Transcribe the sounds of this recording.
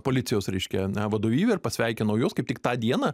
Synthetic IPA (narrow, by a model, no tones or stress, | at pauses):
poːlʲɪt̪sʲɪjoːsɾʲɛɪʃʲkʲɛnʲɛʋɐd̪oːʋʲiːʋʲɛɪɾpɐsʲʋʲɛɪkʲɛnɐʊjoːskɐɪpt̪ʲɪkt̪ɑːd̪ʲiɛnɑ